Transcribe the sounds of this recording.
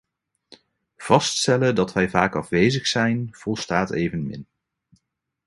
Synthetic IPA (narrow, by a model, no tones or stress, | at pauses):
v̥ɑststɛlədɑtʋɛjvaːkɑfʋejzəχsɛjnv̥ɔlˠstaːtḛjvənmɪ̰n